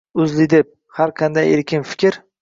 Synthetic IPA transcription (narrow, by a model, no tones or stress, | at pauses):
ʊzlɪd̪ep̚ | haɾqʰɑnd̪ajeɾkʲɪnfɪ̥kʲʰɪɾ